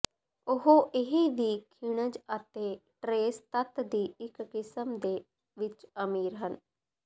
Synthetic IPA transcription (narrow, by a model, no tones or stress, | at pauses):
ʊɦoʔɪɦiːʋiːkʰɪɽ̃əd͡ʒət̪eːʈɾeːst̪ət̪d̪iːɪkːɪsəmd̪eː | ʋɪt͡ʃəmiːɾɦən